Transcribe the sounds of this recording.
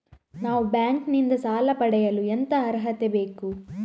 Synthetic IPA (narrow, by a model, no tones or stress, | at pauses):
naːʋubjaːŋknind̪ɐsaːlɐpɐɽɛjɐluent̪ɐːɾɦɐt̪ebe̞ːku